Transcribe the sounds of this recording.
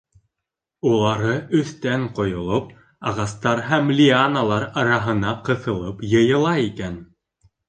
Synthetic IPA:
ulˠɑɾɤʔɵ̆θt̪æɴqŏjŏlˠop̚ | ɑʁɑst̪ɑɾɦæmlʲianalˠɑɾɑɾɑɦɤ̆nɑqɤ̆θɤ̆lˠɤpjɤ̆jɤ̆lˠɑikæn

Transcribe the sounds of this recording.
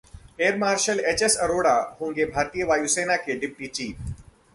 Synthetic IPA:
eːɾmaːɾʃəlet͡ʃesɐɾoːɽaɦõːŋɡebʱaːɾt̪ijəʋaːjuseːnakeɖɪp̚ʈit͡ʃiːf

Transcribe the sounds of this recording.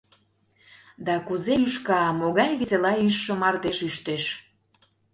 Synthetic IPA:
d̪ɑkuzeyʃkɑmoɣɑjβeselɑyʃːə̆mɑrt̪eʃyʃt̪eʃ

